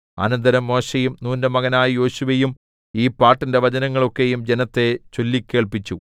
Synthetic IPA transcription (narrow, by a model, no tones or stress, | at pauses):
ɐ̰nɐnd̪ɐɾɐmːo̞ːɕejumnuːndɐmɐɣɐnaːjjo̞ːɕuʋejum | iːpːaːʈːinde̞ʋɐd͡ʑɐnɐŋːɐɭo̞kːe̞jumd͡ʑenɐt̪ːe̞t͡ɕo̞lːikʲːe̞ːɭpit͡ɕːu